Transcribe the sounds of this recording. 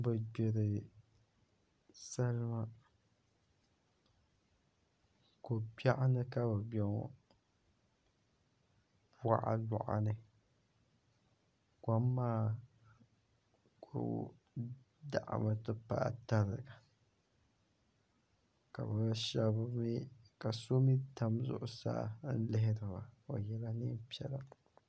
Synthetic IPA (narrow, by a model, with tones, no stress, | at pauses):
bɨ˨be˨ɾɨ˨ | sa˦lma˦ | ko˨ba˦˨ʔnɨ˦ka˦bɨ˨bɔ˨ŋɔ̰˦˨ | ba̰˦˨ʔa̰˨la̰˨ʔa̰˨nɨ˨ | kʷa˦mː˦aː˦ | ko̰˨ | da̰˨ʔa̰˨ma˦tɨ˦pa̰ː˦˨ta˦ɾɨ˨ɡa˨ | ka̰˨bɨ˦ʃɛ˦bmi˦ka˨so˦mi˦ta˦mzʊ̰˨ʔʊ˨sa̰ː˦n̩˦lɪ˦ɦɪ˦dɨ˨ba˨o˨jɛ˦la˦nɨ˦m˦pi˦ɛ˦la˨